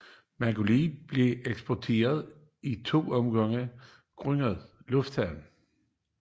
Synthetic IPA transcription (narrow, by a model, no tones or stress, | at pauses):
mæɡ̥olib̥le̝eɡ̥sb̥ɒt͡sʰe̝̰ːɐð̞ˠ | it͡sʰo̝̰ːɒ̽mɡ̥ɑŋ̰ə | ɡ̥ʁœŋ̰əð̩ˠlɔ̽fd̥hæʊn̩